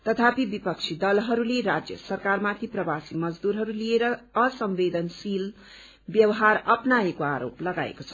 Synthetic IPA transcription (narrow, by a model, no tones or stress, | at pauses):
t̪ʌt̪ʰapibipʌk̚t͡sʰid̪ʌlɦʌɾuleɾad͡zjʌ̰sʌrkarmat̪ʰiprʌbasimʌd͡zd̪uɾɦʌɾulieɾʌːsʌmbed̪ʌnsil | bjʌwɦaɾʌpnaekoaɾo̰plʌɡa̰ḛkot͡sʰʌ̥